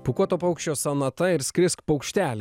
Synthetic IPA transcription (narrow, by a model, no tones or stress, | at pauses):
pʊkuɔt̪oːpɐʊkʃʲt͡ʃʲoːsɐnɐt̪ɐɪɾsʲkʲɾʲɪskpɐʊkʃʲt̪ʲæːlʲ